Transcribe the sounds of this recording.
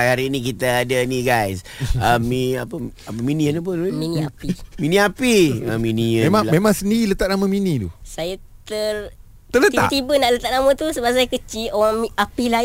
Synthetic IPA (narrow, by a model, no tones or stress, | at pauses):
aaɾinik̬it̪aadəniɡajs | əmːiapəap̬əminiənəp̬əminiapiminĩapiəminiəmemaŋmemãŋsəndiɣilət̪aʔ̚naməminĩdṵsajat̪ər | t̪ərlət̪aʔt̪ibənaʔlət̪aʔ̚namə̃t̪usəbas̬ajakət͡ʃioɣaŋmiapila